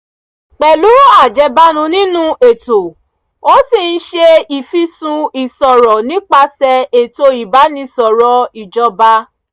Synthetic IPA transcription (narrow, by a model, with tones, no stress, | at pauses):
k͡pɛ˨lu˨˦a˦˨d͡ʒɛ˧ba˦nũ˧nĩ˦nũ˦ʔe˨to˨ | o˦si˦˨n̩˦ʃe˧i˨fi˧sũ˧i˨sɔ˨ɾɔ˨nĩ˨˦k͡pa˧sɛ˧e˨to˧i˨ba˨˦nĩ˧˦sɔ˨ɾɔ˨˧i˨d͡ʒɔ˧ba˧